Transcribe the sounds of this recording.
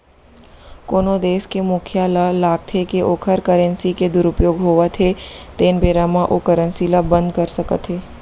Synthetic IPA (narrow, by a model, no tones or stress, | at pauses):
koːnod̪eːskemʊkʰjaːlalaːɡ̚t̪ʰekeʔoːkʰəɾkəɾə̃nsiked̪ʊɾʊpjoːɡɦoːʋət̪ʰet̪eːnbeːɾamãʔokəɾə̃nsilabə̃nd̪kɐɾsɐkə̰t̪ʰɦeː